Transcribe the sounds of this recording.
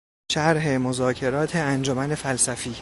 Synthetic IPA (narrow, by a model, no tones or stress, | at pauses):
ʃæɾɦe̞mo̞zɒːcʰe̞ɾɒːt̪ʰeænd͡ʒomænefælsæfiː